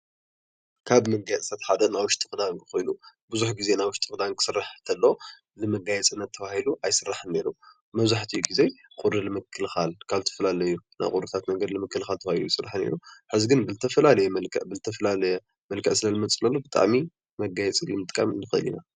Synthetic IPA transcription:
kʰaβmɐɡajɛt͡sʼɨsat̪ħad̪ɐnajwʊʃt̪ʰʼɨxɨd̪ankɨxo̞jnubɨzuħɡize̞najwʊʃt̪ʰɨxʼɨd̪ankʰɨ̥sɨrːaħt̪ʰɐlːo̞ | lɨmɐɡajɛt͡sʼɨnːɐt̪ʰːɐβahiluʔajsɨrːaħne̞ɾu | mɐβzaħt̪ʰɨjːuɡize̞ | kʼuɾɨlɨmɨkʰːɨlxalkʰaβt̪ʰɐ̥fɐlalɐjːuna̰jkʼuɾɨt̪ʰat̪nɐɡɐd̪ilɨmɨkːɨlxalt̪ʰɐβahilujsɨrːaħne̞̰ɾuħɨziɡɨnbɨt̪ʰɐfɐlalɐjɛmlkɐbɨzɨt̪ʰɐfɐlalɐjɛ | mɐlkʰɐʔsɨlɐlɨmɐt͡sʼɨlɐlːobɨt̪ʼa̰ʕmi | mɐɡajɛt͡sʼilɨmɨt̪ʼkʼa̰mnɨxɐ̰lḭna

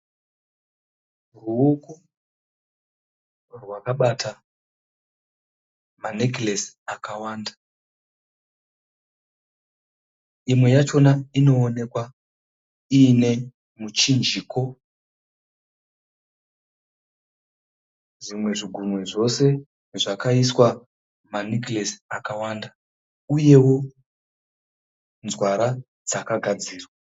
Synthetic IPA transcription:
ruuku | rwakaɓata | manekles | akawaːnda | imwe̞jat͡ʃo̞naino̞ːne̞kwa | ine̞ | mut͡ʃind͡ʒikʰo̞ | ʐimwe̞ʐiɡʱumweʐo̞se̞ | ʐakaiswa | maniklesakawanda | uje̞wo̞ | nzwaɾa | d͡zakaɡʱad͡ziːrwa

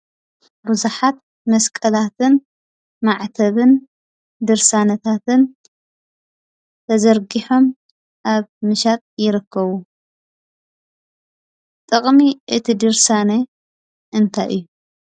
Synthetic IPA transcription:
bɨzuħat̪̚ | mɐskʼɐlat̪ʰɨn | maʕt̪ʰɐβɨn | d̪ɨɾsanɐt̪ʰat̪ɨn | t̪ʰɐzɐɾɡiħo̞m | ʔaβmɨʃat̪ʼjɪɾɨkːɐβu | t̪ʼɨkʼmiʔɨt̪ʰid̪ɨɾsane | ʔɨnt̪ʰaʔɨjːu

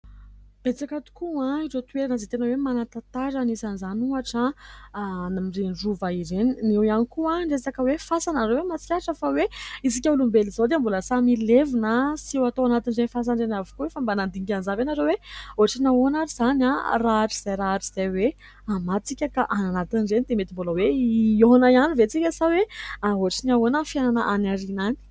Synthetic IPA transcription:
b̥et͡sakat̪u̥kuãiʈ͡ʂot̪ueɾanazet̪enəwemanat̪at̪aɾanisanzanuaʈ͡ʂa | namirinɖ͡ʐuvaiɾeninewianikuaɳɖ͡ʐesakəwefasanaɾewemat͡si̥kʲaʈ͡ʂəfaweisikʲaulumbelizod̪eambuləsamilevinəsiewat̪oanat̪inzenifas̬anɳɖ͡ʐenavi̥kuefambanand̪iŋɡʲanzavenaɾeweoaʈ͡ʂinawonaɾizanaraaʈ͡ʂiz̥ajɾaaʈ͡ʂi̥z̥ajwe | amat͡sikʲakaʔananat̪inrenid̪emet̪imboləweonajanivet͡sikʲəsaweaoaʈ͡ʂinawonəfjananəʔanaɾinani̥

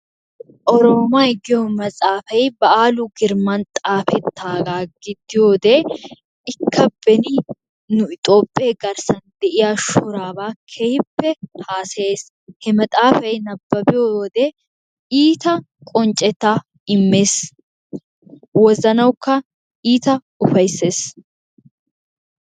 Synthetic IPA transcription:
ʔɔɾoːmajɡɪjomɐt͡sʼaːfɐjbɐaːlʊɡɪɾmɐnt̪ʼaːfɛt̪ʰːaːɡaːɡɪd̪ːɪjo̞ːd̪eː | ɪkʰːɐbɛnɪ | nʊɪt̪ʼo̞ːpʼːɪeːɡɐɾsɐnd̪ɛʔɪjaːʃʊɾaːbaːkʰɛjɪpːɛhaːsɐeːs | hɛmɐt̪ʼaːfɐjnɐbːɐbɪjod̪ɛ | iːt̪ɐ | kʼɔnt͡ʃʼɛt̪ːa | ɪmːe̞ːs | wɔzɐnɐwkːɐ | iːt̪ɐ | ʊfɐjsːe̞ːs

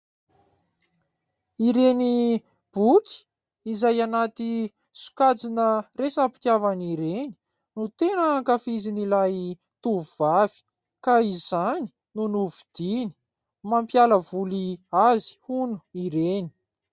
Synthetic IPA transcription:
iɾeni | b̥ukʰʲi̥ | izajanat̪i | su̥kad͡zinəresapi̥t̪javaniɾeni̥ | nut̪enəŋkafizinilaj | t̪uvuvavi̥ | kaizani̥ | nunuvid̪̥ini̥ | mampjaləvuliazi̥hunu̥iɾeni̥

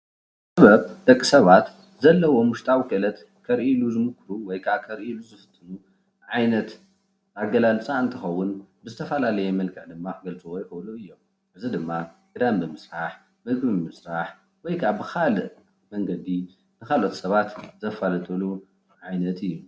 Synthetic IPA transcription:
sɨɐβɐβd̪̥ɐkʼːi̥sɐβat̪ | zɐlːɐwo̞muʃt̪ʼawkɐlɐt̪ | kʰɐɾʔiluzɨmɨkʰɾuwɔjkʰaβkʰɐɾʔiluzɨfɨ̥t̪ʰʼːɨnu | ʕajnɐt̪ | aɡɐlalt͡sʼaɨnt̪ʰɨxɐwːʊnbɨzɨt̪ʰɐfɐlalɐjɛmɐlkʰɨʕd̪ɨmːaɡɐlt͡sʼɐwojɪkɐluɨjːom | ʔɨzid̪ɨmːaɡɨd̪ambɨmɨsɾaħ | mɨɡbɨmɨsɾaħ | wɔjkʰabɨxalɨʔ | mɐŋɡɐd̪i | nɨkalʔo̞t̪sɐβat̪zɐfalɐt̪ʼɐlu | ʕajnɐt̪ʰɨjːu

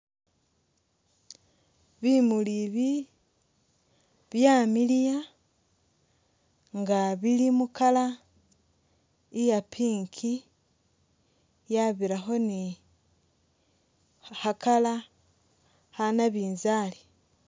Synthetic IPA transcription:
βimuliβi | βjamilija | ŋɡaβilimukala | ijapʰiːŋkʰi | jaβiɾaxo̞ni | hakʰala | hanaβiːnzaːli

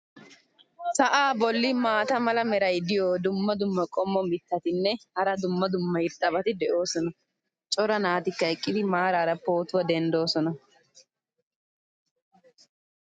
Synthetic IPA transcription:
sɐʔaːbɔlːɪmaːt̪ɐmɐlɐmɛɾɐjd̪ɪjoːd̪ʊmːɐd̪ʊmːɐkʼɔmːɔmɪt̪ːɐt̪ɪnːɛhɐɾɐd̪ʊmːɐd̪ʊmːɐjɪɾt̪ʼːɐbɐt̪ɪd̪ɛʔo̞ːsɔnɐ | t͡ʃʼɔɾɐnaːt̪ɪkːɐɛkʼːɪd̪ɪmaːɾaːɾɐpo̞ːt̪ʊwɐd̪ɛnd̪o̞ːsɔnɐ

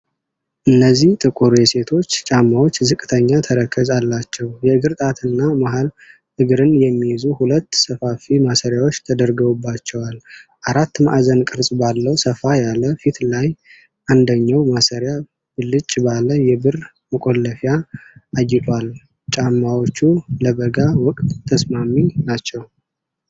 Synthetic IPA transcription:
ʔɨnːəzːiht̪ʰʼɨkʼuɾjɛse̞t̪ʰo̞t͡ʃːt͡ʃʼamːawo̞t͡ʃːzɨkʼɨt̪ʰəɲːat̪ʰəɾəkʰːəzalːat͡ʃːɛwjɛɨɡɨɾt̪ʼat̪ʰɨnːamaɦal | ʔɨɡɨɾɨnjɛmːijzuhulət̪ːsəfafimasəɾjawot͡ʃːt̪ʰəd̪əɾɡəwubːat͡ʃːɛwalʔaɾat̪ːmaʔzənkʼɨɾsʼbalːəwsəfajaləfit̪ʰlaj | ʔand̪əɲːawmasəɾja | bɨlːɨt͡ʃʼːbaləjɛbɨr | məkʼo̞lːəfjaːjːɪt̪ʼal | t͡ʃʼamːawo̞t͡ʃːuləbəɡawɔkʼt̪ːʰəsmaminat͡ʃːɛw

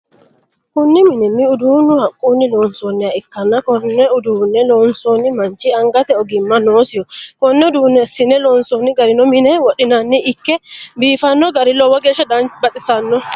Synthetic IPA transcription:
kʊnːɪmɪnɛmːiʊd̪uːnʊhɐkʼːunːɪlɔːnsɔnːɛaɪkːɐnːakɔnːɛʊd̪uːnɛlɔːnsɔnːimɐnt͡ʃiɐŋɡɐt̪ɛɔɡɪmːɐnoːsɪjɔkɔnːɛʊd̪unːɛsɪnɛlɔːnsɔnːɪɡɐɾɪnɔmɪnɛwɔɗɪnɐnːiʔːkːɛbiːfɐnːɔɡɐɾɪlɔwɐɡeʃɐd̪anbɐt̪ʼɪsɐnːɔ

